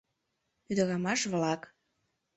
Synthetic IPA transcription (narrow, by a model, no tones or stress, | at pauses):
yd̪əɣɑmɑʃβlɑk